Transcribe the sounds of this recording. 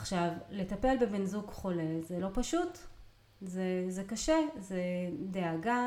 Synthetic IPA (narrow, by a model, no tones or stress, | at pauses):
aχʃavle̞t̪ape̞lbebinzukχo̞lezelo̞paʃut | zezekaʃezedeaɡa